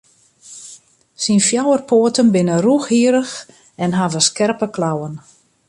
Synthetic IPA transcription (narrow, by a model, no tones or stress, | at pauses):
sinfjawərpʰoːətənbɪnəruxhiəɾəx | ɛnɦavəskɛrpəklawən